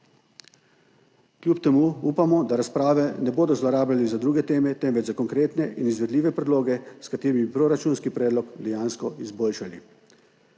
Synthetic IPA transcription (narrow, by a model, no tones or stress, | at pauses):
klʲjuːpt̪ɛmuːuːpamɔd̪aɾaspɾaːʋɛnɛboːd̪ɔzlɔɾaːblʲalizad̪ɾuːɡɛt̪eːmɛt̪ɛmʋɛd͡ʒzakɔŋkɾeːt̪nɛʔinizʋɛd̪liːʋɛpɾɛd̪loːɡɛskat̪eːɾimibipɾoːɾat͡ʃuːnskipɾɛːd̪lɔkd̪ɛjaːnskɔizboːlʃali